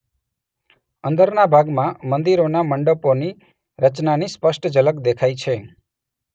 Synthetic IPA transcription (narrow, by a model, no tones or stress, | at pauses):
ənd̪əɾnabʱaɡmãmənd̪iɾonaməɳɖəponi | ɾət͡ʃnanispəʃʈʰd͡ʒələkd̪ekʰajt͡ʃʰe